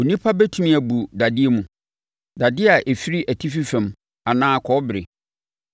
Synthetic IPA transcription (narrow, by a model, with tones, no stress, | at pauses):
o˨nĩ˦pʰa˦bæ˦tʰũ˦mĩ˦æ˨bu˨da˨dɪ˦e˦mũ˨ | da˨dɪ˦a˨ʔe˨fi˦ɾi˦ʔæ˨tʰi˦fi˦fæ̃˨m | a˨nãː˦˨kʰɔ˦bɪ˨ɾɪ̰˨